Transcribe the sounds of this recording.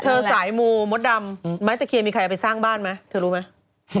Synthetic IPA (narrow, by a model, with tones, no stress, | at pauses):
t̪ʰɤː˧saː˩˦jmuː˧mo˦˥t̪̚da˧mma˦˥jt̪ɛ˨˩kʰi˧əmiː˧kʰa˧ja˨˩pa˧jsaː˥˩ŋbaː˥˩nma˦˥jt̪ʰɤː˧ɾuː˦˥ma˦˥j